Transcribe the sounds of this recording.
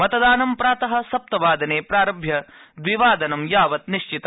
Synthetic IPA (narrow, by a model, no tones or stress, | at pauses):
mɐt̪ɐd̪aːnɐmpɾaːt̪ɐɦɐ̆sɐp̚t̪ɐʋaːd̪ɐneːpɾaːɾɐbʱjɐd̪ʋiʋaːd̪ɐnɐmjaːʋɐt̪niʃt͡ʃit̪ɐ